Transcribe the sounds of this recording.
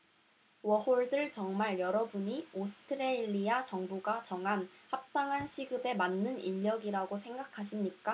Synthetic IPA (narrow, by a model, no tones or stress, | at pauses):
wʌhoɭdɯɭt͡ɕʌŋmaɭjʌɾʌbuɲiosʰɯ̥tʰɯɾeʎːiat͡ɕʌŋbuɡat͡ɕʌŋɦanhap̚t͈aŋɦanɕʰiɡɯbe̞manːɯniʎːʌɡiɾaɡosʰe̞ŋɡakʰaɕʰimɲik͈a